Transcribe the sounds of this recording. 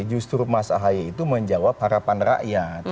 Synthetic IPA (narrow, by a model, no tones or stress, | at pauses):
d͡ʒust̪ɾumasaɦajait̪uməɲd͡ʒawap̚haɾapanra̰ʔjat̪̚